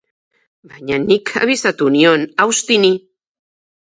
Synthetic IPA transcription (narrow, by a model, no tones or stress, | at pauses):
baɲanikʰa̰βisat̪unjonawst̪ini